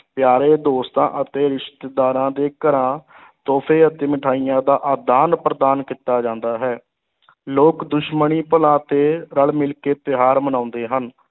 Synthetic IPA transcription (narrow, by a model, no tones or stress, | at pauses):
pjaːɾeːd̪oːst̪ã̰ːʔət̪eːɾɪʃt̪eːd̪aːɾãːd̪eːkəɾãː | t̪oːpʰeːət̪eːmɪʈʰaːijãːd̪aːʔad̪aːnpɾəd̪aːnkit̪ːaːd͡ʒãːnd̪aːɦɛː | loːkd̪ʊʃməɳiːpəlãːt̪eːɾəlmɪlkeːp̪ɪɦaːɾmənãːʊ̃nd̪eːɦən